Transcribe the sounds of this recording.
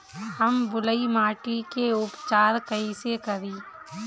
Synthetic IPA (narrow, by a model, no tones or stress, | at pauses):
həmbʊləimaːʈikeʊpt͡ʃaːɾkəisekəɾiː